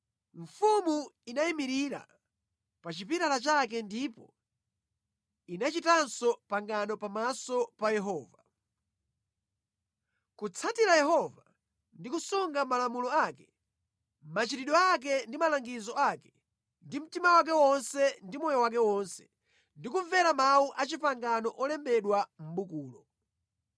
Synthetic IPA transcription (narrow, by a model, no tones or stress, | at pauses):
ɱ̩fumuinaimiɾiɾa̰ | pat͡ʃipiɾalat͡ʃak̬ɛndipɔ̰ | inat͡ʃitansɔpaŋɡanɔpamasɔpajɛɦɔːva | kut͡sʰatiɾajɛɦɔva | ndikusuŋɡamalamulɔakɛ | mat͡ʃiɾiɗɔak̬ɛndimalaŋɡizɔakɛ̥ | ndim̩timawak̬ɛwɔnsɛndimɔjɔwak̬ɛwɔnsɛ̥ | ndikuɱvɛɾamawuʔat͡ʃipaŋɡanɔʔɔlɛmbɛɗwam̩ɓukuːlɔ